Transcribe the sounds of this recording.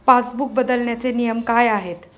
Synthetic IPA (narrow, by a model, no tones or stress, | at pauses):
pasbuk̚bəd̪əlɳjat͡senijəmkajaɦet̪